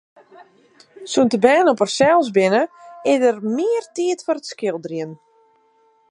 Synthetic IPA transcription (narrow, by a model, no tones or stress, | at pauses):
suntəbɛːnɔpərsɛlˠsbɪnəɪdərmɪərtiətfɔɾətskɪlˠdriən